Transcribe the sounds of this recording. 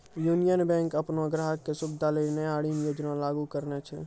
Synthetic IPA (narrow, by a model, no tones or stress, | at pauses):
juːnijənbɛ̃ːŋkəpnoɡɾəɦəkːesʊbd̪ʱalenəjaːɽinjoːd͡ʒnalaːɡukəɾnet͡ʃʰɛ